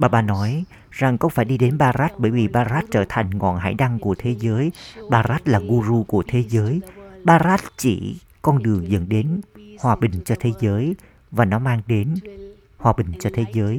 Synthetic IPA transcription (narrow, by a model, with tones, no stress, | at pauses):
ɓaː˧˩ɓaː˧nɔ˨˦j | za˨˩ŋkə˧wŋ͡mfaː˧˩jɗi˧ɗe˨˦nɓaː˧zaː˦˥t̚ɓəː˧˩jvi˨˩ɓaː˧zaː˦˥t̚t͡ɕəː˧˩t̪ʰa˨˩jŋ̟ŋɔ̰˧˨nɦa̰ː˧˩jɗa˧ŋku˧˩ət̪ʰe˨˦zəː˨˦jɓaː˧zaː˦˥t̚laː˨˩ɣu˧zu˧ku˧˩ət̪ʰe˨˦zəː˨˦jɓaː˧zaː˦˥t̚t͡ɕi˧˩ | kɔ˧nɗɨ˨˩əŋzə̰˧˥nɗe˨˦nhwaː˨˩ɓï˨˩ŋ̟t͡ɕɔ˧t̪ʰe˨˦zəː˨˦j | vaː˨˩nɔ˨˦maː˧ŋɗe˨˦n | hwaː˨˩ɓï˨˩ŋ̟t͡ɕɔ˧t̪ʰe˨˦zəː˨˦j